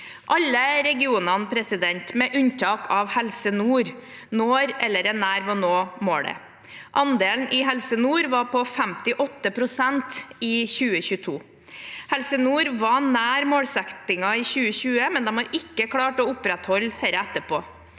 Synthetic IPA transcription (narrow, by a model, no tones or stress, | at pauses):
ʔɑlːəɾɛɡɪuːnɑnpʰɾɛsɪd̪ɛnt̪mɛʔʉnt̪ʰɑːkʰɑʋhɛlsənuːɾ | noːɾɛlːəɾɛnæːɾʋɑnoːmoːɽɛ̰ | ʔɑnd̪eːln̩ʔɪɦɛlsənuːɾʋɑɾpʰɔfɛmt̪ɪʔɔt̪ːəpʰɾʊsɛnt̪ɪːçʉːəçʉːət̪ʰuː | hɛlsənuːɾʋɑnæːɾmoːɽsɛkt̪ɪŋɑɪːçʉːəçʉːəmɛnd̪ɛmɑɾɪkːəkʰɽɑːʈɔʊpɾɛt̪hɔlheɾəæt̪ːəpʰoː